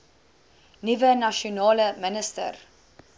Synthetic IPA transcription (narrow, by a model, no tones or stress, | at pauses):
nyvənaʃonɑːləmənəstə̰r